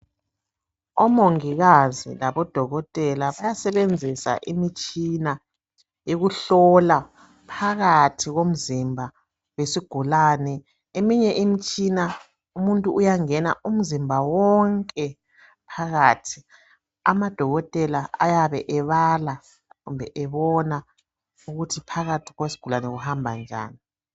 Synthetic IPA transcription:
ɔmoŋiɣazḭlaβɔd̥ʱɔɣɔtʼɛlaβajasɛβend͡zʱisa̰ʔimit͡ʃʼina | jeɣuɬɔla | pʰaɣatʰiɣom̩zimbʱa | wesiɡ̥ʱulaːnɛ | emiɲɛʔimit͡ʃʼina | umuntʼuʔːjaŋɛna̰ʔum̩zimbʱawɔŋkʼɛ | pʰaɣaːtʰi̥ | a̰mad̥ʱɔɣɔtʼɛlaa̰jaβɛʔɛβala | ɣumbʱɛʔɛβɔna | uɣutʰipʰaɣatʰi̥ɣwesi̥ɡ̥ʱulanɛɣuhambʱand͡ʒʱa̰ːni

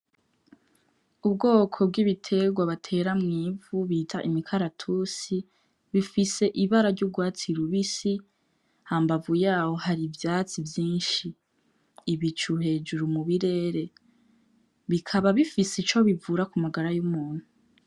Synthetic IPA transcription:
ub̚ɡo̞ːkʰo̞b̚ɡiβitʰe̞ɡwaβatʰe̞ɾamŋiːvuβiːtʰaʔimikʰaɾatʰuːsi | βifise̞ʔiβaɾaɾɟubɡwaːt͡siɾuβisi | haːmbavujaːho̞haɾivjaːt͡sivjiːnʃiː | βit͡ʃuhe̞ːd͡ʒuɾumuβiɾe̞ɾe̞ | βikʰaβaβifisit͡ʃo̞βivuɾakumaɡaɾajumuːn̥hu

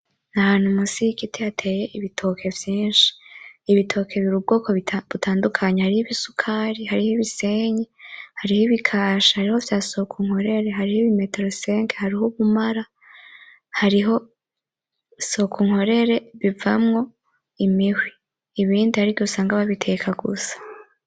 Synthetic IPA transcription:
nahaːn̥humusikitʰejatʰe̞ːje̞ʔiβitʰo̞kʰe̞vjiːnʃi̥ːβitʰo̞ːkʰe̞βiɾub̚ɡo̞ːkʰo̞βiβutʰaːndukʰaɲehaɾihiβisukʰaːɾihaɾihoβise̞ːɲehaɾihiβikʰaːʃahaɾihovjaːsokʰuŋ̥ho̞ɾe̞ɾe̞ɦaɾihoiβimeteɾoseːŋkehaɾiɦoβumaɾa | haɾiɦo̞ | so̞kʰuŋ̥ho̞ɾe̞ɾe̞βivamŋo̞ | imihwiː | βiːndihaɾiβjosaːŋɡaβaβitʰe̞kʰaɡṵsḁ

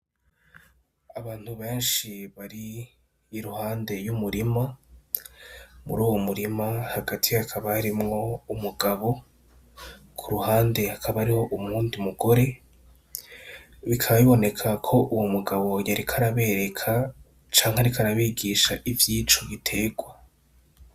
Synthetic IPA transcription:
aβaːn̥huβe̞ːnʃiβaɾiː | ɾuhaːnde̞jumuɾima | mṵɾuːwomuɾimahaɡatʰihakʰaβahaɾimŋo̞umuɡaβo̞ | kʰuɾuhaːnde̞hakʰaβaaɾiho̞ʔumuːndimuɡo̞ɾe̞ | βikʰaβaβiβo̞ne̞kʰakʰo̞ʔuwomuɡaβo̞jaɾikʰaɾaβe̞ɾe̞kʰa | t͡ʃaːŋhaɾikʰaɾaβiɡiʃaʔivjiːt͡ʃo̞βitʰe̞ːɡwa

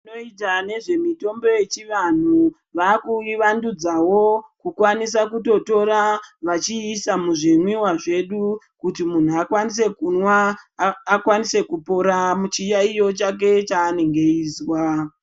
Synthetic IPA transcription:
ino̞itane̞ʐe̞mito̞mbo̞je̞t͡ʃiʋan̤u | ʋakuiʋandud͡zawo̞kukwanis̬akuto̞to̞ɾaʋat͡ʃiːsamuʐinwiwaʐe̞ɗu | kutimun̤uakwanis̬e̞kunwaː | kwanise̞kupo̞ɾamut͡ʃijaijo̞t͡ʃak̬e̞t͡ʃaːne̞ŋɡeiːswa

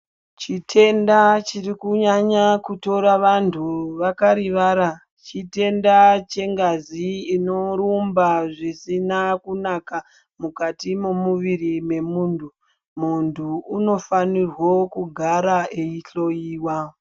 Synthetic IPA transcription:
t͡ʃitʰe̞ndat͡ʃirikuɲaɲakuto̞ɾaʋantʰuʋakaɾiʋaːɾa | t͡ʃite̞ndat͡ʃe̞ŋɡaziːno̞ɾumbaʐisinakunaka | mukatimomuʋirime̞muːntʰu | muntʰuːno̞fanirwokuɡʱaɾaeiɬo̞jiːwa

